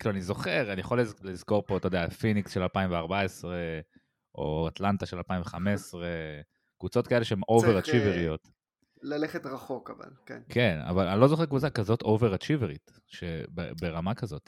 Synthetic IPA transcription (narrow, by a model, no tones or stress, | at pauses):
kiluanizo̞χeʁanija̰χollizko̞ʁpo̞t̪odeafiniksʃe̞lalpaiɱveaʁbaesʁe | ʔo̞̰at̪lant̪aʃelalpaiɱveχame̞sʁe | kvut͡so̞t̪̚kae̞le̞ʃeemʔoveʁat͡ʃiveʁiot̪ | laleχet̪ʁaχokava̰lkenkʰena̰vala̰nilo̞zo̞χekvut͡sakazo̞t̪oveʁat͡ʃiveʁit̪ | ʃebḛbeʁamakazo̞t